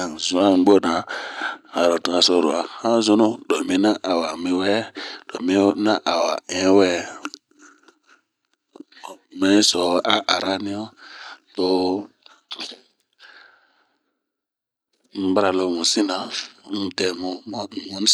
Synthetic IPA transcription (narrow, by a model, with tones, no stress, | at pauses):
a˨ŋzu˦a˦nɡ͡bo˦na˨ | a˨ɾo˨tu˨˦a˨so˦˨ɾo̰˨a˨hã˦zu˦nu˦ɗo˨mi˦na˦ʔa˨wa˨mi˨wɛ˦ɗo˨mi˦na˦ʔa˨wa̰˨ẽ˦wɛ˦˨ | me˦sɔ˨a˦ʔa˨ɾa˦ni˦o˦to˨ | m̩˨˦ba˦ɾa˨lo˨mu˨si˦na˨˦n˦te˨mu˨m˦˨mu˦n